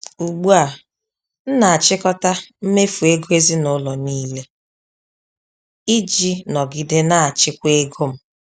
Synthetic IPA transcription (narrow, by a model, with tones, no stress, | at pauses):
u˨ɡ͡bu˦a˨ | n̩˦na˨a˨t͡ʃɪ˦kɔ˦ta˦m̩˦me˦fu˨e˦ɡo˦e˦zi˦nʊ˦lɔ˨niː˦le˦ | i˦d͡ʒi˦nɔ˨ɡɪ˨de˦na˦a˨t͡ʃɪ˦kʷe˦ɡo˦m̩˦